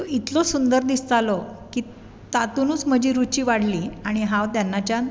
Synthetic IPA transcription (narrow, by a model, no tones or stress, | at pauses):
t̪oit̪lɔsund̪əɾd̪ist̪alɔkiː | t̪at̪unuːt͡sm̤əd͡ʑiːɾut͡ɕiːʋaɽ̤liːaɽ̃iɦãʋt̪janːat͡ɕja